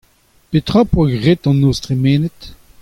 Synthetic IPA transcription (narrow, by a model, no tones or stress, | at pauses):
pet̪χapwaɡʁet̪ɑ̃nostʁemeːnət